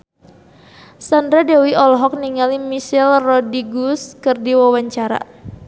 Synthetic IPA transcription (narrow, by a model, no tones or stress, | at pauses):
sandɾadɛwiʔɔlɔɦɔk̚niŋalimisɛlrɔdiɡuskɨrdiwawaɲt͡ʃaɾa̰